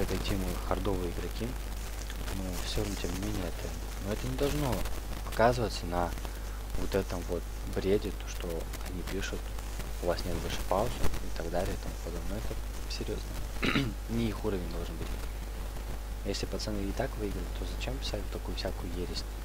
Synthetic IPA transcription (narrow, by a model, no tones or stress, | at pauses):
ɛt̪ɐtʲimɨxɐrd̪o̞vɨəɪɡɾɐkʲi | nufsʲontʲe̞mnʲɪmʲenʲɪəɛt̪ə | noɛt̪ənʲɪd̪ɐlˠʐno̞ | pɐkazɨvət̪sənɐ | vot̪ɛt̪əmvo̞t̪ | bɾʲedʲɪt̪oʂt̪o̞ | ɐnʲipʲiʂʊt̪ | ʊvasnʲet̪̚bɐlʲʂɨpaʊzɨɪt̪ɐɡd̪alʲɪjəɪt̪ɐmupɐd̪obnəɛt̪ə | sʲɪɾʲjo̞znə | nʲɪixuɾəvʲɪnʲd̪o̞lˠʐɨnbɨtʲɪ | jesʲlʲɪpɐt̪sɛnɨɪt̪akvɨiɡɾəvʲt̪ʲt̪ʰːo̞zɐt͡ɕempʲɪ̥salʲɪt̪ːɐkujʊfsʲakʊjʊjeɾʲɪsʲ